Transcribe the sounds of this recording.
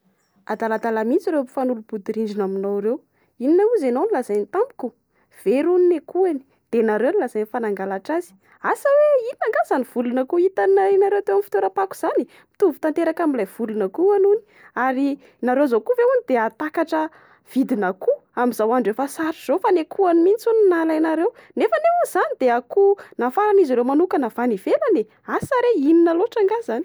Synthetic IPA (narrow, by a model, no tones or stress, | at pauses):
ad̪alad̪alamint͡siɾefanulub̥ud̪iɾiɳɖ͡ʐinaminowɾew | ininauzenownilazajnt̪ambiku | v̥eɾuninekuani̥ | d̪̥enaɾewnilazajnifanaŋɡalaʈ͡ʂazi̥ | asəweiinaŋɡazaniv̥ulunakuit̪anainaɾewt̪ewamfi̥t̪oɾapaku̥z̥ani | mi̥t̪uvu̥t̪ant̪eɾakamilajv̥ulunəkuanuni̥ | aɾi | naɾewzokuveunid̪̥eat̪akaʈ͡ʂə | v̥id̪inakuamizawaɳɖ͡ʐefasaɾiz̥ofanekʰuanimint͡suninalainaɾewnefəneunz̥anid̪eakunafaɾaniziɾewmanukənavaniv̥elane | asaɾeininaloʈ͡ʂaŋɡazani